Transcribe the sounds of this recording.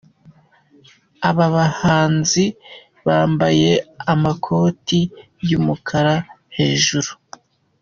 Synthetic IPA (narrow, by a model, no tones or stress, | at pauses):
aβaβahaːnzi | βaːmbaje̞amakʰo̞ːti | jumukʰaɾa | he̞ːʒuɾu̥